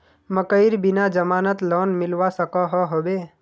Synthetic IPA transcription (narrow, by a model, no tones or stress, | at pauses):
məkəɪɾbɪnad͡ʒəmaːnət̪lɔːnmɪlʋasəkɔɦɔɦoːbeː